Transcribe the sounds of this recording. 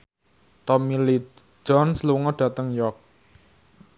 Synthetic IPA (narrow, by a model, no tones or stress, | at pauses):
t̪ɔmili̥ | d͡ʒ̥ɔnsluŋɔɖ̥ä̤t̪əŋjɔk̚